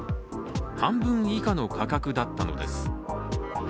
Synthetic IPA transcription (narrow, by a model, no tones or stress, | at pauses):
hãmbɯ̟̃ɰ̃ikano̞kʰakakɯ̟d̪at̪ːano̞̰d̪e̞̰sɨ̥